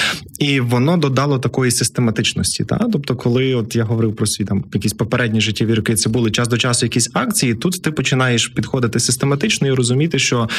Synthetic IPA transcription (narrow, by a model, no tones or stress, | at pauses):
iʋɔnɔd̪ɔd̪ɑlˠɔt̪ɐkɔjisɪst̪emɐt̪ɪt͡ʃnɔsʲtʲḭt̪ɑ̰t̪ɔbt̪ɔkʰɔlˠɪɔt̪jaɦɔʋɔɾɪwpɾɔsʲit̪ɑmjɐkʲisʲpɔpeɾɛdʲnʲiʒɪtʲːiʋʲiɾʊkɪt̪sɛbulˠɪt͡ʃɑsd̪ɔt͡ʃɑsʊjɐkʲisʲɑkt͡sʲijit̪ut̪ːɪpɔt͡ʃɪnɑjeʃpʲid̪xɔd̪ɪt̪ɪsɪst̪emɐt̪ɪt͡ʃnɔiɾɔzʊmʲit̪ɪʃt͡ʃɔ